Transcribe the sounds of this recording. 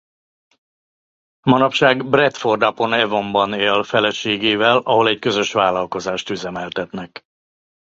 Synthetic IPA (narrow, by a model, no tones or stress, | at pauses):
mɒnɒpʃaːɡbrɛt̪fo̞rd̪ɒpo̞nɛvo̞mbɒneːlfɛlɛʃeːɡeːvɛlɒɦo̞lɛckø̞zø̞ʃʋaːlːɒlko̞zaːʃt̪yzɛmɛlt̪ɛt̪nɛk